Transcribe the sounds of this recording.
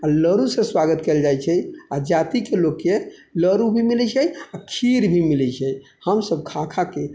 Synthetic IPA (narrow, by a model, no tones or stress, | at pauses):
aləɾusẽswaɡət̪keld͡ʒajt͡ʃʰɛjad͡ʒat̪ikelokːeləɾubʱimilɛt͡ʃʰɛjakʰiɾbʱimilɛt͡ʃʰɛj | həmsəb̚kʰãkʰake